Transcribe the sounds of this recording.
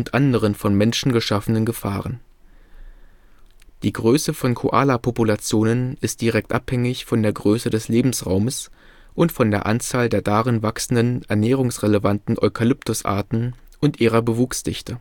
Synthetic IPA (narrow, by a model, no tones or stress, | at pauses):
ʊntʔandəʁ̞ənfɔnmɛnʃn̩ɡəʃafənənɡəfa̰ːʁ̞ən | d̥iːɡʁøːsəfɔnkʰo̰ʔa̰ːlapʰopulat͡sjoːnənɪst̚d̥iʁɛk̚tʔa̰phɛŋɪçfɔndeːɐɡʁøːsədɛsleːbm̩sʁaʊməs | ʔʊntfɔndeːɐʔant͡saːldeːɐdaʁɪnvaksn̩dənɛɐnɛːʁ̞ʊŋsʁeləvantn̩ʔɔʏkʰalʏptʊsʔa̰ɐtn̩ | ʊntʔiːʁ̞ɐbəvuːksd̥ɪ̰çtʰə